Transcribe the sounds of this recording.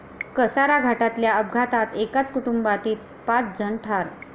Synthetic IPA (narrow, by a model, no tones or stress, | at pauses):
kəsaɾaɡʱaʈat̪ljaəbɡʱat̪at̪ekat͡skuʈumbat̪iːt̪̚ | pat͡sd͡zʱəɳʈʰaɾ